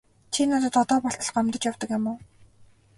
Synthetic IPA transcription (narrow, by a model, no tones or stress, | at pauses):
t͡ɕʰinat̪ə̆t̪ɔt̪ɔːpɔɬt̪ə̆ɮɢɔmt̪ə̆t͡ɕjawt̪ɞ̆kjamʊː